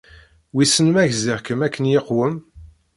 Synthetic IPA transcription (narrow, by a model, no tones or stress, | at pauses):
wisənmæʝziʁkəmækːənjeqːwəm